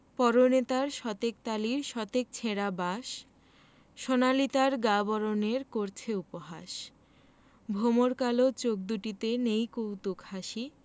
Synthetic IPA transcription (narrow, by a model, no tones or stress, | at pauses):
pɔɾonet̪aɾʃɔt̪ek̚t̪aliɾʃɔt̪ek̚t͡ɕʰeɽabaʃ | ʃonalit̪aɾɡabɔɾoneɾkoɾt͡ɕʰeupoɦaʃ | bʱomoɾkalot͡ɕok̚d̪uʈit̪enejkowt̪ukhaʃi